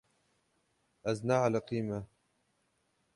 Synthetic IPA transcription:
ʔaznaːʕalaqiːma

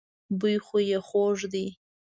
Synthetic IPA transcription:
bɨjχʷejaχʷoʐd̪i

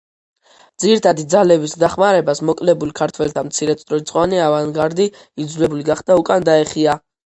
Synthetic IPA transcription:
d̪ziɾit̪ʰad̪id̪zalɛbisd̪aχmaɾɛbasmɔkʼlɛbulkʰaɾt̪ʰwɛlt̪ʰamt̪sʰiɾɛt̪sʼɾɔit̪sʼqʼɔaniavanɡaɾd̪i | id̪zulɛbuliɡaχd̪̥aukʼand̪aɛχia

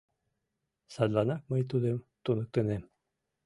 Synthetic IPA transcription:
sɑd̪lˠɑnɑk̚mɤjt̪uðɘmt̪unɤ̆k̚t̪ɤ̆nɘm

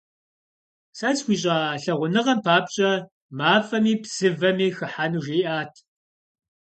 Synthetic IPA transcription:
sɐt͡sxʷiːɕʼaːɬɐʁʷʊnɨʁɐmpʰaːpɕʼɐ | maːfɐmiːpz̥ɨvɐmiːxɨħanuːʒiːʔaːtʰ

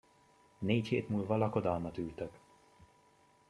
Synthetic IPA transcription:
neːcheːt̪muːlvɒlɒko̞d̪ɒlmɒt̪ylt̪ɛk

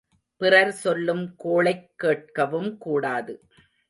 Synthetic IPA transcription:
pɪrɐɾsɔlːɯmkoːɭɐɪkːeːʈ̚kɐʋɯmkuːɽaːðɯ

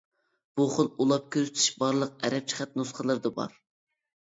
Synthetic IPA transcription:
b̥uχonˠulˠɑp̚kʲʰøzt̪ʰi̥ʃbɑɾlˠəq̚ɛɾɛp̚t͡ʃʰə̥χɛt̪̚nusχəlˠɨɾd̪ɑbɑ̰ɾ

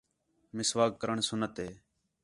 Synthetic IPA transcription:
mɪsʋaːkːəɾəɳsʊnət̪ɦeː

